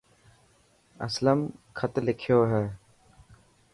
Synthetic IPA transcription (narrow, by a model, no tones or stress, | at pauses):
ɐ̰sləmkʰət̪lɪkʰjoːɦɛː